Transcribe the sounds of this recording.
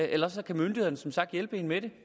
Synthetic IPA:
ʔelɐɒsɒkʰæmøndiheðˠn̩əsɒ̽msɑ̈ɡ̥̚d̥jelb̥əe̝ːnmeɾ̥e̝

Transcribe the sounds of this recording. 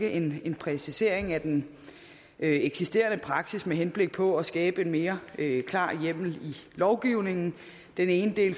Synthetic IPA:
ɡ̥əʔe̝ne̝npʰʁɛsise̝ɐ̰e̝ŋæd̥en | øeɡ̥sisd̥e̝̰ːɐnəpʰʁɑ̈ɡ̥sismeɦenb̥le̝ɡ̥̚pʰɒ̽ɒsɡ̥ɛːb̥əe̝nme̝ːɐøkʰlɑ̰̈ːjem̰l̩ilɒʊɡ̥iʊne̝ŋn̩ | d̥ene̝ːnəd̥e̝̰ːl

